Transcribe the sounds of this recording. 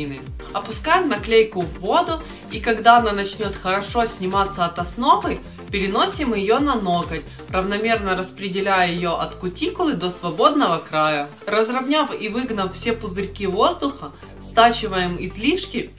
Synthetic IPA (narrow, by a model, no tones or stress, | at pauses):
nɨ | ɐpʊskajɪmnɐklʲejkʊvːo̞d̪ʊ | ikɐɡd̪aɐnanɐt͡ɕnʲot̪xəɾɐʂo̞sʲnʲɪmat̪sːəɐt̪ɐsno̞vɨ | pʲɪɾʲɪno̞sʲɪmjɪjonɐno̞ɡətʲ | rəvnɐmʲe̞rnəɾəspɾʲɪdʲɪlʲæjəjɪjo̞ʔɐt̪kʊtʲikʊlˠɨd̪o̞svɐbo̞d̪nəvəkɾajə | rəzrɐvnʲafivɨɡnɐffsʲepʊzɨɾʲkʲivo̞zd̪ʊxə | st̪at͡ɕɪvəjɪmɪzlʲiʂkʲɪ